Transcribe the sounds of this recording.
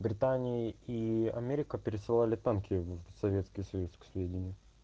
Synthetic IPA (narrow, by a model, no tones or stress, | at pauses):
bɾʲɪt̪anʲɪjiiɐ̰mʲeɾʲɪkəpʲɪɾʲɪsɨlˠalʲɪt̪ankʲɪvsɐvʲet̪skʲɪjsɐjusksvʲedʲɪnʲɪjʊ